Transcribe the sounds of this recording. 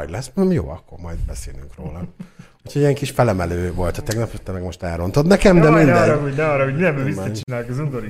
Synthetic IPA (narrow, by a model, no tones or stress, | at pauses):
ɟlɛsnɛmjo̰ːɒkːo̞rmɒjd̪̚bɛseːlyŋkroːlɒ | ucʰoɟijɛŋkiʃfɛlɛmɛløːvo̞lt̪ɒt̪ɛɡnɒpot̪ːɛmɛɡmo̞ʃt̪ɛːɾo̞nt̪od̪nɛkɛmd̪ɛmind̪ɛonɛɒrːɒhoɟmind̪ɛmbɛisːɛt͡ʃinaːjokɛzund̪oɾi